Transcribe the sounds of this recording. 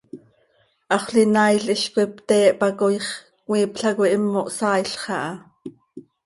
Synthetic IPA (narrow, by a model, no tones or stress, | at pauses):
ʔɑχʷɬinɑːjɬʔiʃkʷwipt̪ɛːʔpɑkojχ | kwiːpɬɑkʷiʔimːoʔsɑːjɬχɑʔɑ